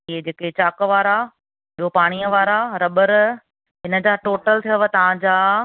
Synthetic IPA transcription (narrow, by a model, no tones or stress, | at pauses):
ɪɦed͡ʑeːket͡ɕaːkəʋaːɾa | ɪɦopaːɽ̃iːəʋaːɾaɾɐɓəɾ | ɦɪnə̆d͡ʑaːʈoːʈəlt̪ʰijəʋət̪ɐʋ̤ãd͡ʑaː